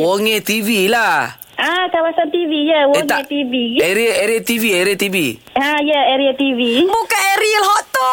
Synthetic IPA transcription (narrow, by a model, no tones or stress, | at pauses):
wɔŋet̪ivila | ʔakawasant̪ivijawɔŋaet̪iviɛɾiɛɾiat̪iviɛɾiat̪ivi | aijaɛɾiat̪ivimukaɛɾilɦɔt̪ɔ